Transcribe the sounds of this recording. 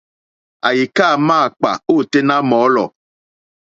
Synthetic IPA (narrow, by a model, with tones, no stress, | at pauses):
a̰˨ji˨kaː˦˨maː˦˨k͡pa̰˨o˦˨te˦na˦mɔː˨˦lɔ̰˨